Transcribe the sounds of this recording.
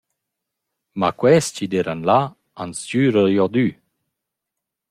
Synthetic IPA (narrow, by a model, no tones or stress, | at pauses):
makwɛst͡ɕid̪eɾanla | anst͡ɕyːɾəjɔd̪y